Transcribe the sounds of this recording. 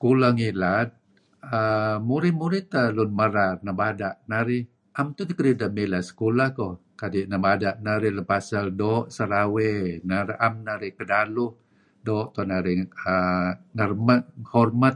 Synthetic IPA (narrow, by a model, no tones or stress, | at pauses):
kulaŋilat̪̚ | əmuɾɪhmuɾɪt̪əlʊnməɾarnabadaʔnaɾɪh | ʔamt̪ut̪ikəɾidəmilasə̥kulahkɔkadiʔnabadaʔnaɾɪhləpasaldɔːʔsəɾawenaɾʔamnaɾɪhkədalʊh | dɔːʔt̪ɔnaɾɪəŋərmat̪̚hɔrmat̪̚